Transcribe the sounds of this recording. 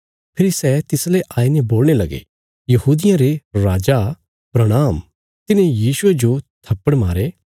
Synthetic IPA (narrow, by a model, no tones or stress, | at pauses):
pʰɪɾisɛt̪ɪsleʔaːineboːlñelɐɡḛ | jɐɦuːd̪ɪjãɾeɾaːd͡ʒa | pɾɐɽ̃aːm | t̪ɪnẽjiːʃʊed͡ʒot̪ʰɐpːəɽmaːɾe